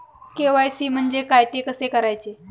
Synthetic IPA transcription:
keʋajsiːm̤əɳd͡zekajt̪ekəsekəɾajt͡se

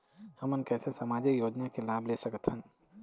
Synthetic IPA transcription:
hɐmənkɛːsesɐmaːd͡ʒikjoːd͡ʒnakelaːbleːsəkət̪ʰən

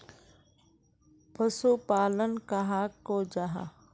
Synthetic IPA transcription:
pəsupaːlənkaɦaːkːod͡ʒaɦa̰

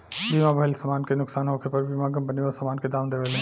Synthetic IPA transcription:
bimãbʱɐɪlsɐmaːnkenʊksaːnɦoːkʰepɐɾbimaːɡəmbəniɔːsɐmaːnked̪aːmd̪eʋelẽ

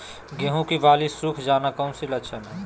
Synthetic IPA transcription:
ɡeɦũkiʋaːlisukʰd͡ʒaːnakɐunsilətːʃʰəmẽ

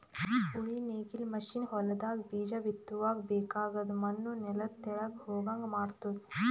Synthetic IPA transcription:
uɭineːkilmɐʃinhɔlɐd̪aːɡbiːd͡ʒɐʋit̪ːuʋaːɡbɛːkaːɡɐd̪umɐnːunɛlɐt̪ːɛɭɐɡhoːɡaːŋɡmaːɾt̪u

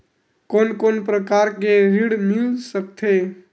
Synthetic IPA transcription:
konkonpɾəkaɾkeɾiɽmilsək̚t̪ʰe

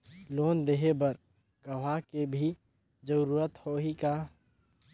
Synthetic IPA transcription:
loːnd̪eɦebəɾ | ɡəʋ̤akebʱi | d͡ʒəɾuːɾət̪hoɦika

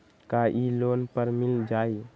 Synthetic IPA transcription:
kaʔiloːnpəɾmɪld͡ʒaːi

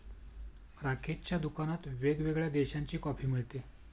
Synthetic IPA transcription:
ɾakʰett͡ɕjad̪ukanat̪ʋeɡʋeɡɭjad̪eɕaɲt͡ɕiːkɔpʰiːmiɭt̪e

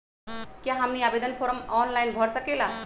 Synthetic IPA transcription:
kjaɦamniabed̪ənpʰoɾəmɔnlajnbʱʌɾsəkela

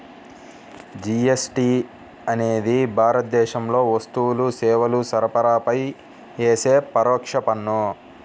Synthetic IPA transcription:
d͡ʒiesʈiː | ɐne̞ːd̪ibʱaːɾɐt̪̚d̪ɛːʃɐmlo̞ːʋɐst̪uwlusɛːʋɐlusɐɾɐpɐɾaːpɐj | eːseːpɐɾɔːkʂɐpɐnːu

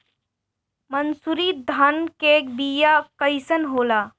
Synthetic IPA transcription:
mənsuɾiːd̪ʱankek̚bijakəjsənɦoːlaː

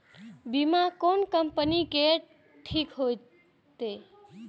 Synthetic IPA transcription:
bimakonkəmpənikeʈ | ʈʰːikɦo | t̪e

